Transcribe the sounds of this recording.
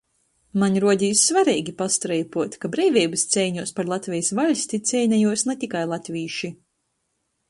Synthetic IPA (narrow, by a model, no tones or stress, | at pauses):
maɲʲɾuɔd̪ʲiːsːvaɾɛːɡʲipast̪ɾɛjpuɔt̪kabɾɛːvʲɛːjbɨst̪sʲɛjɲuɔspaɾlˠat̪ʲvʲɛjsvalʲsʲt̪it̪sʲɛjnʲɛjuɔsnɛt̪ʲikajlˠat̪ʲvʲiːʃi